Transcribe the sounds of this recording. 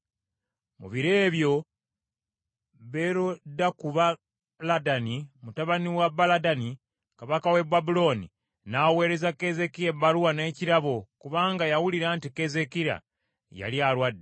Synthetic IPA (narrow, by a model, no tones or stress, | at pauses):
mṵβiɾe̞ːβjo̞ | βe̞ɾodːakuβa | ladanimutaβaniwabaladani | kaβakawe̞babulo̞nḭ | nawe̞ːɾe̞zakeze̞kijebaluwane̞ːciɾaβokuβaːŋɡajawuliɾaːntike̞ze̞kiɾa̰ | ja̰ljalwadːe